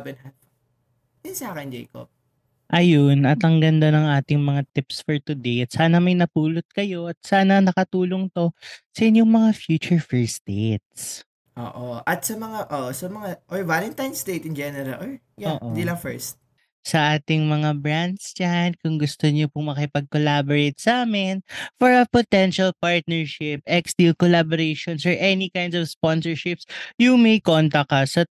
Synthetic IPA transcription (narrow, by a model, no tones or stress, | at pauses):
bɛnɦɐn | d̪ɪnsaːkɛnd͡ʒḛjko̰b̚ | ʔɐjonɐt̪ɐŋɡɐnd̪anɐŋʔaːt̪ɪŋmɐŋat̪ɪpsfoɹt̪ʊd̪ejɐt̪̚saːnɐmɐjnɐpuːlot̪̚kɐjo̞ʔɐt̪̚saːnɐnɐkɐt̪uːlo̞ŋt̪o̞sɐʔɪɲjoŋmɐŋafjuːt͡ʃʊɹfɛɹst̪et̪̚s | ʔo̰ːʔoʔɐt̪̚sɐmɐŋaʔoːʔosɐmɐŋaʔojvalɛnt̪ajnst̪et̪ɪnd͡ʒɛnɛɾɐlʔoj | jaonːʔond̪ilɐŋfɛɹst̪̚ | sɐʔaːt̪ɪŋmɐŋabɹand̪sd͡ʒankʊŋɡʊst̪oɲopʊŋmɐkɪpɐɡ̚kolaboɹejt̪̚saːmɛnfɔɹɐpot̪ɛnʃɐlpaɹt̪̚nɛɹʃɪp̚ʔɛksd̪̥ilkolaboɾejʃɔnsɔɹʔɛnikajnd̪ɔvsponsɛɹʃɪpsjʊŋmɐjkont̪ɐkɐsɐ